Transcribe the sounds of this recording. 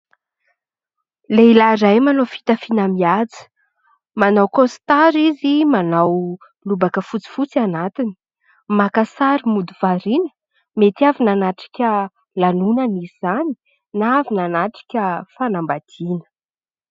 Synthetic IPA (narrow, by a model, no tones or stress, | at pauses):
leilaɾajmanofi̥t̪afinamiat͡sə̥ | manawkost̪aɾizimanaw | lubakəfut͡si̥fut͡sianat̪ini̥ | makasaɾimud̪uvaɾinə̥ | met̪iavinanaʈ͡ʂi̥kʲə | lanunənizani̥ | naavinanaʈ͡ʂi̥kʲəfanambad̪̥inə̥